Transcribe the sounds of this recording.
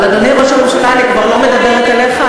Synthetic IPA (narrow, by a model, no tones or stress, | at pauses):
ad̪oniʁaʃaʁuʃalanikvaʁlo̞med̪abeʁet̪eleχa